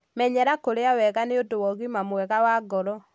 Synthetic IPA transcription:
mɛɲɛɾakoɾeawɛɣaneodowɔɣimamwɛɣawaɡɔɾɔ

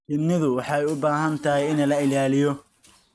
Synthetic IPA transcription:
tɪnɪðʊwɑħɑːɛjʊbaːɦɐnt̪ʰɐɦɛjɪnɐlɐɪlaːlɪjɔ

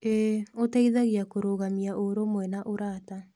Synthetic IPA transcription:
eotaiðaɣiakoɾoːɣamiaʔoɾomwɛnaʔoɾaːta

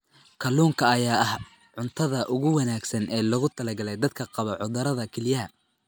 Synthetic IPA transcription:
kʰɐluːŋkʰɐːjaːɐh | ʕʊnt̪ʰɐðɐʔʊɣʊwɑnaːɡsɐnʔɛːlɐɣʊt̪ʰɐlɐɡɐlɛjd̪ɐd̪kʰɐqɑβɐʕʊðɐɾɐðɐkʰɛljɐɦɐ

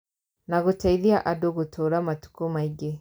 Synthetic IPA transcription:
naɣutaiðiaʔadɔɣutʰɔɾamatu̥kumaiɡe

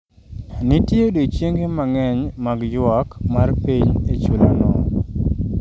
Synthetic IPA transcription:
nɪtjedot͡ʃjeŋɡemaŋɛɲmaɡjwɔkmarpiɲet͡ʃula̰nɔ

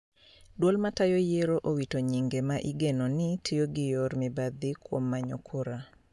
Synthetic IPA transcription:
dwolmatajojeɾoʔowitoɲiŋɡemaʔiɡenonɪtʰijoɡɪjɔɾmɪbad̪ɪkwo̰mːaɲo̰kʰoɾa

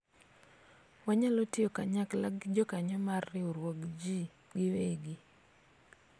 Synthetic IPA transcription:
waɲalotɪokaɲaklaɡd͡ʒɔkaɲɔmarːɪoɾwɔɡd͡ʒi | ɡɪweɡi

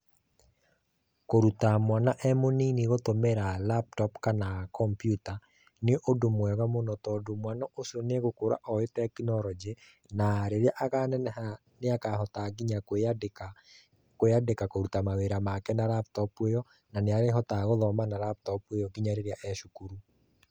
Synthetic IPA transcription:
koɾutamwanaʔɛmoniniɣotomeɾalap̚tɔpkanakɔmpjuta | neɔʔodomwɛɣamonɔtɔdomwanɔʔosiɔneɣokoɾa̰ʔɔetɛkinɔɾɔd͡ʒe | naːɾeɾeaʔaɣanɛnɛha | neakahɔtaɡiɲakadka | koadekakoɾutamaweɾamakɛnaɾaptɔpwejɔ | naneaɾeɦɔtaɣoðɔmanaɾap̚tɔpwejɔɡiɲaɾeɾeaʔɛʃukuɾu

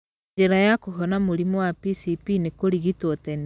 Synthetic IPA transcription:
eɾajakoɦɔnamoɾimɔwapisipinekoɾiɣitwotɛn

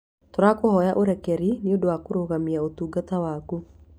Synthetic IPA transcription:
toɾakohɔjaʔoɾɛkɛɾiniodowakoɾoɣamiaotuːɡatawaːku

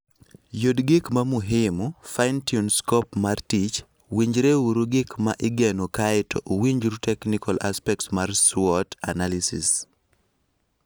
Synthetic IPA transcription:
jodɡɪkmamuɦɪmʊfaɪntiunskɔpmartit͡ʃ | wiɲd͡ʒɾeuɾuɡɪkmaʔɪɡɛnokaɪtɔ̰ʔwiɲd͡ʒɾutɛknikala̰spɛk̚tsmarsɔtanalisḭs

